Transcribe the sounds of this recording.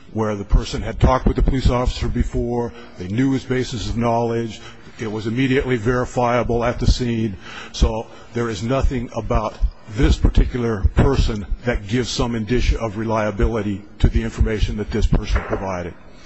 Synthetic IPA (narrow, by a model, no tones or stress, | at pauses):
wə˞ðɨpʰɜ˞sɨ̃nɨd̚tʰɔk̚t̚wɨðɨpʰəlisɔfə̥sə˞bɨfɔɹ | ðeɪnjʉɨzbeɪsɨsʌvnɑlˠɪd͡ʒ | ɪt̚wʌzɨmiɾiɨʔlivɛɹɨfaɪəbl̩ˠɨt̪̚ðɨsĩnsoʊ | ðə˞ɨznʌθɪ̃ŋəbaʊt̪̚ | ðɪspʰə˞tʰɪkjl̩ˠə˞pʰɜ˞sɨ̃nðɨt̚ɡ̥ɪvz̥sʌ̃mɨ̃ndɪʃɨ̃ʌvɹɨlaɪɨbɪlˠəɾiɾɨðiɪ̃ɱfə˞meɪʃɨ̃n̩ðɨt̪̚ðɪspʰɜ˞sn̩pʰɹ̥ɨvaɪɾɨd̥̚